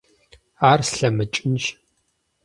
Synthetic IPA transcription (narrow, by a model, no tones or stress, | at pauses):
aːrsɬɐmɨt͡ʃʼɪnʒ